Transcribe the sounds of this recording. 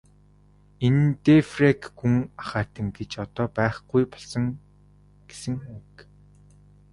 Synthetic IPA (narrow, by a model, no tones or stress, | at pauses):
ent̪efrekxuŋaχaːt̪ə̆ŋɡet͡ɕɔt̪ɔːpæːχɡujpɔ̥ɮsɞ̆ŋ | ɡ̥e̥sɘ̆ŋk